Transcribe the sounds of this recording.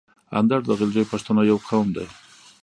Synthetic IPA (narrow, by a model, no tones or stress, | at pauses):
a̰nd̪aɾd̪əɣɪld͡ʒəjpaʂt̪anajawqʰawmd̪a̰j